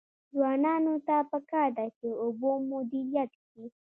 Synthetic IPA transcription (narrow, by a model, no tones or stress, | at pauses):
zwɑnɑnot̪apəkɑɾd̪at͡ʃeobomʊd̪iɾjat̪ki